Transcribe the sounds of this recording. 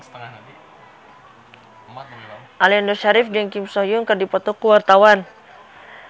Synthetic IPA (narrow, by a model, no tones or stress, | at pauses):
ʔaliandɔʃaɾɪfd͡ʒɛŋkimsɔjuŋkərdipɔt̪ɔkuwart̪awan